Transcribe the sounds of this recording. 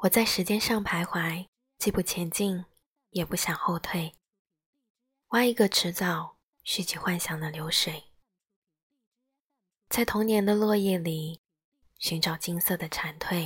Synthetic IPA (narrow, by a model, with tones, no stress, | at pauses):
wɔ˨˩t͡sa˥˩ɪʂɻ̩˧˥t͡ɕjɛ˥nʂɑ˥˩ŋpʰa˧˥ɪxwa˧˥ɪ | t͡ɕi˥˧pu˥˩t͡ɕʰjɛ˧˥nt͡ɕi˥˩ŋ | jɛ˨˩pu˥˩ɕjɑ˨˩ŋxo˥˧ʊt̪ʰwe˥˩ɪ | wa˥ɪi˧˥ɡə˧ʈ͡ʂʰɻ̩˧˥t͡sɑ˨˩ʊ | ɕy˥˩t͡ɕi˨˩xwa˥˩nɕjɑ˧˥˩ŋd̪ə˨ljo˧˥ʊʂwe˨˩˦ɪ | t͡sa˥˩ɪt̪ʰʊ˧˥ŋnjɛ˧˥nd̪ə˧lwɤ˥˧jɛ˥˩li˨˩ | ɕy˧˥nʈ͡ʂɑ˨˩ʊt͡ɕi˥ŋsɤ˥˩d̪ə˩ʈ͡ʂʰa˧˥nt̪ʰwe˥˩ɪ